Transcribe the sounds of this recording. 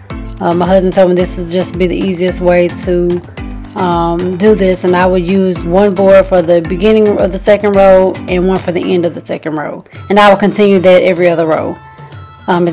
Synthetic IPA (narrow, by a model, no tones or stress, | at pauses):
ʌ̃maɪɦʌzb̃n̩tʰoʊmiðɪsɨl̩ˠd͡ʒʌsb̥iðḭiziɨst̚weɪɾɨ | ʌ̃mdɨðɪsɨ̃naɪwədjʉzwʌ̃nbɔɹd̥fə˞ðɨbɨɡɪ̃nɪ̃ŋʌ̰vðɨsɛkɨ̃ndɹoʊɨ̃nwʌ̃nfə˞ðiʔɛ̃ndʌvðɨsɛkɨ̃ndɹoʊɨ̃naɪwəlˠkɨ̃ntʰɪ̃njʉðɨɾɛvɹiʌðə˞ɹoʊ | ʌ̃mɨ